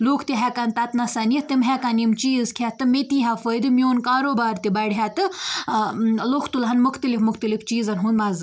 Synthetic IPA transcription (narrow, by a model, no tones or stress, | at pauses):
loːkʰt̪iɦɛkɐnt̪ɐt̪nɐsɐnit̪imɦɛkanimt͡ʃiːzkʰʲat̪ɨmet̪ĩːɦafəjd̪ɨmjoːnkaːɾoːbaːɾt̪ibɐɽɦat̪ɨ | loxʰt̪ulɦɐnmʊxʰt̪əlifmʊxt̪ɐlift͡ʃiːzɐnɦund̪mɐzɨ